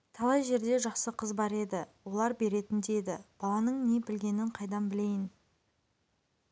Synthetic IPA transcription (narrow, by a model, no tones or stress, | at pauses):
t̪ʰɑlˠɑjʒe̞ɾd̪e̞ʒɑqsəqʰəzbɑɾe̞d̪ɪwo̞lˠɑɾbe̞ɾe̞t̪ɪnd̪eed̪ɪ̰b̥ɑlˠɑnəɴne̞bɪlɡʲe̞nɪɴqʰɑjd̪ɑmbɪle̞jɪn